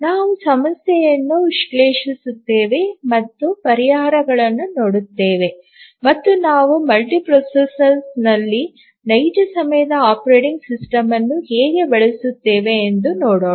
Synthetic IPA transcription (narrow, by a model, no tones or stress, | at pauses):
naːʋusɐmɐsjɛjɐnːuʋiʂkleːʂisut̪ːeːʋe̞mɐt̪ːupɐɾiɦaːɾɐɡɐɭɐnːuno̞ːɽut̪ːe̞ːʋe̞ | mɐt̪ːunaːʋumɐlʈipɾosɐsɐnsnɐlːi | nɐjd͡ʒɐsɐmɐjɐd̪ɐaːpɐɾeːʈiŋɡsisʈɐmɐnːuheːɡe̞beɭesut̪ːe̞ːʋe̞ːnd̪unoːɽoː